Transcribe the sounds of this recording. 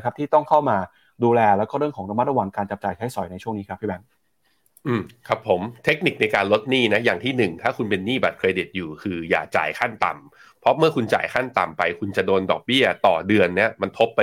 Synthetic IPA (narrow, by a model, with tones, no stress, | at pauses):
kʰa˦˥p̚t̪ʰiː˥˩t̪ɔ˥˩ŋkʰa˥˩wmaː˧ | duː˧lɛː˧lɛː˦˥wkɔː˥˩ɾɯ˥˩əŋkʰɔː˩˦ŋɾa˧ma˦˥t̪̚ɾa˧wa˨˩ŋkaː˧nt͡ɕa˨˩p̚t͡ɕaː˨˩jt͡ɕʰa˦˥jsɔ˨˩˦jna˧jt͡ɕʰu˥˩əŋniː˦˥kʰa˦˥p̚ʰːiː˥˩bɛː˧˩ŋ | ʔɯː˨˩mkʰɾa˦˥pʰːo˩˦mt̪ʰe˦˥k̚ni˨˩k̚na˧jkaː˧nlo˦˥t̪̚niː˥˩na˦˥jaː˨˩ŋt̪ʰiː˥˩nɯ˨˩ŋt̪ʰaː˥˩kʰu˧npe˧nːiː˥˩ba̰˨˩t̪̚kʰɾeː˧di˨˩t̪̚juː˨˩kʰɯː˧ja̰ː˨˩t͡ɕa̰ː˨˩jkʰa˥˩nt̪a̰˨˩m | pʰɾɔ˦˥mɯ˥˩ɐkʰu˧nt͡ɕa̰ː˨˩jkʰa˥˩nt̪a̰˨˩mpa˧jkʰu˧nt͡ɕa˨˩doː˧ndɔː˨˩k̚bi˥˩ɐt̪ɔ̰ː˨˩dɯ˧ənːi˦˥ɐma˧nt̪ʰo˦˥pːa˧